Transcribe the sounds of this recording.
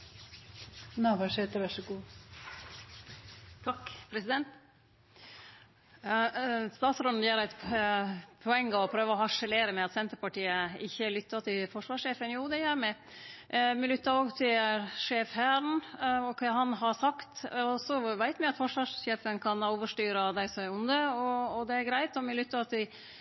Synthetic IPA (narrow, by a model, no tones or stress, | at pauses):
nɑʋæʂeːt̪əɾʋæʂɔɡuː | t̪ʰɑkːpʰɾɛsɪd̪ɛnt̪ | st̪ɑːt̪sɾoːd̪n̩jæːɾæɪt̪ | pʰɔɛŋːəɔpʰɾøːʋəɔhɑʂəleːɾəmɛɑt̪sɛnt̪əɾpɑʈiːəɪ̰çːəlʏt̪ːɑt̪ʰɪfɔʂʋɑːʂeːfənjuːd̪ɛjæɾmɛ | mɪlʏt̪ːəɾoːɡt̪ʰɪlʂeːfhæːɾəɳɔkʰɛɦɑnɦɑɾsɑkt̪ɔsɔʋæɪt̪mɛɑt̪fɔʂʋɑːʂʃeːfənkʰɑnoːʋəʂʈyːɾɑd̪æɪsɔmæɾʊnd̪əɔːd̪ɛæɾɡɾæɪt̪ɔmɪlʏt̪ːəɾɑt̪d̪ɪ